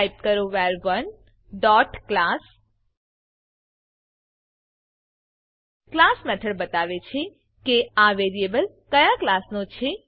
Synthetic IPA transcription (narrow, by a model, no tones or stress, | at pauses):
ip̚kəɾoʋaɾʋən | ɖɔʈklas | klasmɛʈʰəɭbət̪aʋet͡ʃʰe | keaʋeɾiebəl | kəjaklasnõt͡ʃʰe